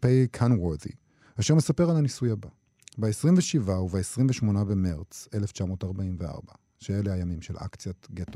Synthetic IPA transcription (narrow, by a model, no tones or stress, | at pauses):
pejkʰanweðḭ | aʃeʁmesape̞ʁalanisujhaba | baesʁimveʃivauvaesʁimveʃmo̞nabemeʁt͡se̞left͡ʃamo̞taʁbaimvea̰ʁba | ʃeelehajamimʃḛlʔa̰kt͡sjaɡet